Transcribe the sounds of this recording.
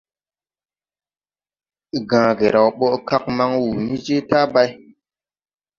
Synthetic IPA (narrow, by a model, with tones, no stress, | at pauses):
ɡãː˨ɡe˨ɾa˨wɓɔ˦ʔka˦k̚ma˦ŋwu˨ni˦d͡ʒe˦ta˦ba˦j